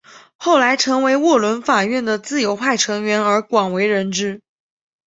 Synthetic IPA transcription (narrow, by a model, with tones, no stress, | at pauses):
xo˥˩ʊla˧˥ɪʈ͡ʂʰɤ˧˥ŋwe˧˥ɪwɔ˥˩lwə˧˥nfa˨˩ɥɛ˥˩nd̪ə˩t͡sɹ̩˥˩jo˧˥ʊxwa˥˩ɪʈ͡ʂʰɤ˧˥ŋɥɛ˧˥nə˞˧˥kwɑ˨˩ŋwe˧˥ɪɻə˧˥nʈ͡ʂɻ̩˥